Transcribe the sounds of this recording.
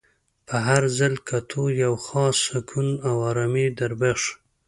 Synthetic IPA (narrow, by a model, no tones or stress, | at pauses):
pʰəɦaɾzalkʰat̪ʰojawxɑsakʰunawaɾamid̪aɾbaʂ